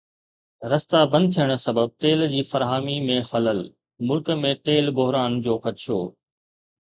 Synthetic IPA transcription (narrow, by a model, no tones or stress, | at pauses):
ɾɐst̪abɐ̃nd̪̚t̪ʰijəɽ̃̆sɐbəb̚t̪eːld͡ʑiːfɐɾɦaːmimẽxɐləl | mʊlkmẽt̪eːlbʊɦɾaːnd͡ʑoːxɐt̪ɪʃo̰ː